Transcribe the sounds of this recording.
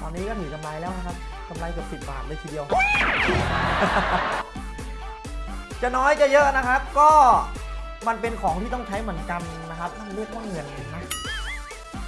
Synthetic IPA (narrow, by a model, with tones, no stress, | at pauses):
t̪ɔː˧nːiː˦˥kɔː˥˩t̪ʰɯː˩˦ka˧mlaː˧jlɛː˦˥wna˦kʰa˦˥p̚ | ka˧mlaː˧jkɯ˨˩sɯ˨˩t̪̚ba̰ː˨˩t̚lɤː˧jt̪ʰiː˨di˧əw | t͡ɕa˨˩nɔː˦˥jt͡ɕa˨˩jɤ˦˥ʔna˦˥kʰa˦˥p̚kɔː˥˩ | ma˧npe˧nkʰɔː˩˦ŋt̪ʰiː˥˩t̪ɔ˥˩ŋt͡ɕʰa˦˥jmɯ˩˦ənka˧nːa˦˥kʰa˦˥p̚kʰaː˥˩m˧lɯ˥˩ək̚waː˥˩ŋːɯ˧˩ən˧˩nːa˦˥